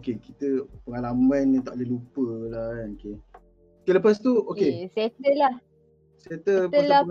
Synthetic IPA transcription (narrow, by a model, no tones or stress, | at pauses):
okekit̪əpəŋalamãnt̪aʔləlupəlaoke | okeləpast̪uokeset̪əlah | sat̪əəla